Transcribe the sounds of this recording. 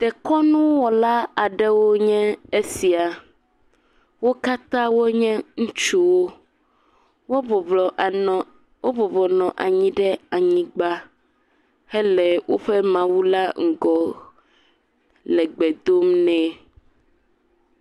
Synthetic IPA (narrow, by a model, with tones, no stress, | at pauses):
t̪ɛ˨kɔ˦nũ˦wɔ˨la˦a˨ɖɛ˦wo˦ɲɛ̃˦e˦si˨a˨ | wo˦ka˦t̪ã˦wo˦ɲɛ̃˦ŋũ˦t͡ʃu˦wo˦ | wo˦˨ | wo˦vɔ˨vɔ˨nɔ̃˨ʔa˨ɲĩ˦ɖɛ˦a˨ɲĩ˦ɡ͡ba˦ | hɛ˦lɛ˨wo˦ɸɛ˦mã˨wu˦la˦ŋ̩˨ɡɔ˨ | lɛ˨ɡ͡bɛ˨d̪o˦mnɛ̃˦